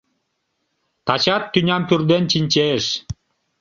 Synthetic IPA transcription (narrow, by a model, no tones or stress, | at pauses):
t̪ɑt͡ɕɑt̪ːynʲɑmpyrd̪ent͡ɕinʲt͡ɕeʃ